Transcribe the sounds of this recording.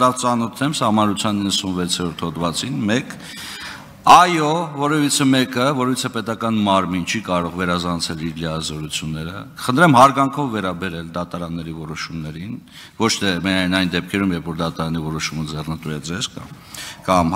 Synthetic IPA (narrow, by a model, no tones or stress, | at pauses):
ɾɑvt͡sɑnɔt̪ʰnɛmsɑhmɑnɾut͡sʰjɑninːəsunvɛt͡sʰjɛɾɔɾt̪ʰhɔd̪vɑt͡sinmɛk | ɑjɔvɔɾɛvit͡sʰəmɛkəvɔɾɛvit͡sʰəpɛt̪ɑkɑnmɑɾmint͡ʃʰikɑɾɔʁvɛɾɑzɑnt͡sʰɛliɾliɑzɔɾut͡sʰjunːɛɾəkə̥χənt̪ʰɾɛmhɑɾɡɑŋkʰɔvːɛɾɑbɛɾɛld̪ɑt̪ɑɾɑnːɛɾivɔɾɔʃumnɛɾin | vɔt͡ʃʰt̪ʰɛmɛɑjnɑjnd̪ɛp̚kʰɛɾumjɛɾfɔɾd̪ɑt̪ɑɾɑnivɔɾɔʃuməd͡zɛrnət̪ujɛd͡zɛzkɑ | kɑm